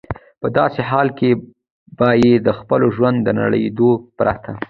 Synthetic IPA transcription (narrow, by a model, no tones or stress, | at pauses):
pəd̪ɑseɦɑlke | bɑjed̪əxpəloʒwand̪dːəna̰ɽə̰d̪opɾat̪ʰa